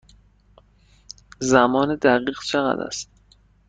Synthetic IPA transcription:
zæmɒːned̪æɣiːɣt͡ʃʰeɣæ̰d̪æ̰st̪̚

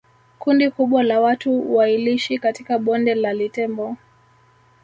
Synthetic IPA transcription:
kundikuɓwalawatuwailiʃikatikaɓɔndɛlalitɛmbɔ

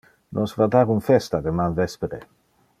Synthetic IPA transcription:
nʔɔsvad̪aɾunfɛst̪ad̪emanvɛspeɾe

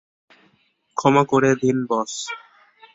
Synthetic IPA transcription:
kʰɔmakoɾed̪inbɔs

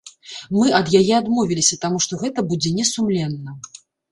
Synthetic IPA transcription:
mɨʔɐd̪jajɛad̪mɔvʲilʲisʲɐt̪amuʂt̪ɔɣɛt̪ɐbud͡zʲɛnʲɛsumlʲɛnːɐ

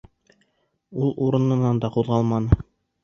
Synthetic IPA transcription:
ulˠuɾɤ̆nɤ̆nɑnd̪ɑquðˠʁɑlˠmɑnɤ

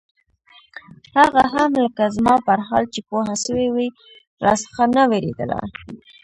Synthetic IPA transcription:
haɣaɦamləkazmɑpaɾɦɑ̰lt͡ʃepoɦaʃəwewi | ɾɑ̰sə̥xanaweɾḛd̪ə̰la̰

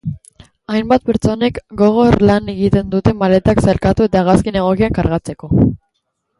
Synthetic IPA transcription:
ajmbat̪̚pe̞ɾt͡so̞ne̞kɡo̞ɣ̞o̞ɾlane̞ɣit̪e̞nd̪ut̪e̞male̞t̪aksalkat̪ue̞t̪aːɣ̞askine̞ɣ̞o̞kiaŋkaɾɣat͡se̞ko̞

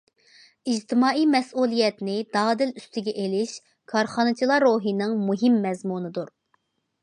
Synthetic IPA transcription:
id͡ʒt̪ʰɪmɑːijmɛsʔulˠijɛt̪nɪd̪̥ɑːd̪ɪlyst̪ɪɡʲɛʔelɪʃ | kʰɑɾχɑnɨt͡ʃʰilˠɑɾːoːɦinɨŋmuɦɪmːɛzmunɨd̪uɾ

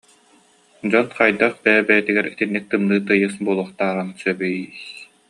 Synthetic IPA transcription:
d͡ʑɔt̪qajd̪aχbɛːbɛjɛt̪iɡɛɾit̪inːik̚t̪ɯmnɯːt̪ɯjɯsbuɔlˠuχt̪aːɾansœbɛjiːs

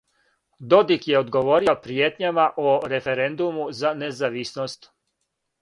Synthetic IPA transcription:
d̪o̞d̪ikje̞od̪ɡo̞ʋo̞ːɾiopɾijeːt̪ɲamaʔoɾe̞feɾend̪umuzanezaʋisnost̪

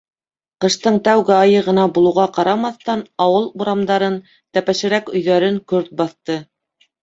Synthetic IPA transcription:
qɤ̆ʃt̪ɤɴt̪æwɡɘɑjɤʁɤ̆nɑbulˠɤ̆wʁɑqɑɾɑmɑθt̪ɑnɑwɤlˠuɾɑmd̪ɑɾɤn | t̪æpæʃɘ̆ɾækɵ̆jðæɾɘŋkɵɾt̪̚bɑθt̪ɤ

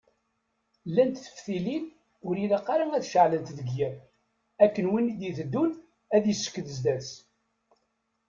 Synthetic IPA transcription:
lːænt̪θə̥fθilin | ʊɾilaqːɑɾaæðʃəʕlənt̪ðəɡjæn | ækːənwinid̪iθəd̪ːun | æðjəsːə̥kːəðəzd̪æs

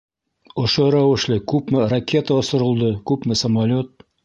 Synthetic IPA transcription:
ŏʃoɾæwɘ̆ʃlɘkʉpmɘrɐkʲe̞t̪əŏsŏɾɤ̆lˠd̪ɤkʉpmɘsɐmalʲot̪̚

